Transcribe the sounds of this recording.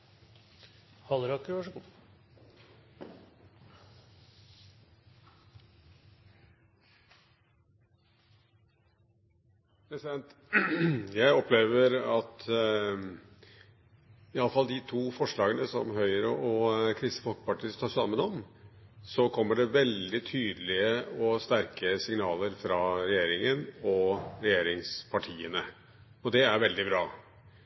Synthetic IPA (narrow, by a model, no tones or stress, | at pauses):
hɑlɾɑkəʋɑʂ | pɾɛsɪd̪ɛnt̪ | jæɪɔpʰleːʋəɾɑt̪ | ɪɑlːəfɑld̪ɪt̪ʰuːfɔʂɭɑːɡənəsɔ̰mɦœʏəɾəʔɔkʰɾɪst̪ə̥fɔlkə̥pɑʈʰiːst̪ʰɑːʂɑmːənɔm | sɔkʰɔmːəɖɛʋɛld̪ɪt̪ʰyːd̪əlɪəɔst̪æɾkəsɪŋnɑːləɾfɾɑɾɛjeːɾɪŋənɔɾɛjeːɾɪŋspʰɑʈʰiːənə | ɔd̪ɛæɾʋɛld̪ɪbɾɑː